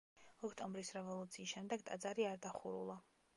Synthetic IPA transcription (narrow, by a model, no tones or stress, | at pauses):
ɔkʰt̪ʼɔmbɾisɾɛvɔlˠut̪sʰiːsʃɛmd̪ɛɡ̚t̪ʼa̰d̪zaɾiaɾd̪aχuɾṵlˠa